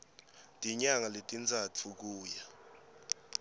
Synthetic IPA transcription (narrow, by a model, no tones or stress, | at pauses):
tʼiɲaŋaletʼint͡sʰʼat͡fʰuk̬uːja